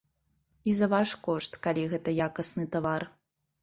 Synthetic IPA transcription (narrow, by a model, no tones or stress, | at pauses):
izɐvaʂkɔʂt̪kalʲiɣɛt̪ɐjakɐsnɨt̪avar